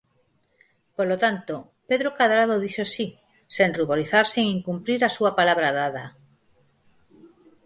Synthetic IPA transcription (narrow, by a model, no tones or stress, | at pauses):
polot̪ant̪o | peðɾokaðɾað̞oðiʃosi | senruβoliθaɾseŋĩŋkumpɾiɾasuapalaβɾaðaða